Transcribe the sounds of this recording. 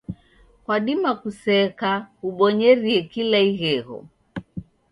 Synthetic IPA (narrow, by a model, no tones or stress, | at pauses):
kwaɗimakusɛkahuɓɔɲɛɾiɛkilaiɣɛɣɔ̰